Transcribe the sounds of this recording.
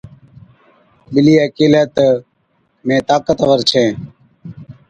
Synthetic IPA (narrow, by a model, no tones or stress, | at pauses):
bɪliːekilət̪ | mẽːt̪aːkət̪əʋəɾt͡ʃʰẽː